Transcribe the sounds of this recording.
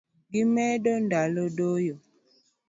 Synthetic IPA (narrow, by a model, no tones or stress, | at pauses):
ɡimɛdondalodojo